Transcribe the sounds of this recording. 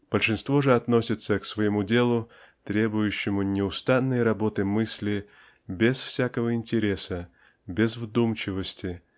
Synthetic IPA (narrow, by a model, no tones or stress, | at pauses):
b̥əlʲʂɨnst̪vo̞ʐɨɐt̪no̞sʲɪt̪səksvəjɪmudʲe̞lˠʊ | t̪ɾʲe̞bʊjʉɕːɪmʊnʲɪʊst̪anːəjɾɐbo̞t̪ɨmɨsʲlʲɪ | bʲɪsfsʲakəvəɪnʲtʲɪɾʲe̞sə | bʲɪzvd̪umt͡ɕɪvəsʲtʲɪ